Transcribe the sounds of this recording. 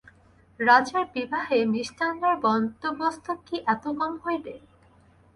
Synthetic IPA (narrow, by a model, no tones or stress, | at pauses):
ɾad͡ʑeɾbibʱaɦemiʃʈʰanːaɾbɔnt̪obost̪ʰokːiʔɛt̪oɡɔmɦojd̪e